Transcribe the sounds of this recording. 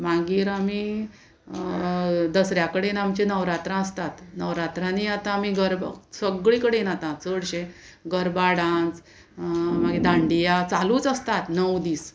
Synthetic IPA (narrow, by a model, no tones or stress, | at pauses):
maɡiːɾami | d̪əsɾjakəɽenamt͡ɕenəʋɾat̪ɾãəst̪at̪nəʋɾat̪ɾãniat̪ãmiɡəɾba̰səɡɭĩkəɽenat̪ãt̪t͡səɽɕẽ | ɡəɾbaɽãnt͡s | maɡed̪ãɳɖijat͡saluːt͡səst̪at̪nəwd̪iːs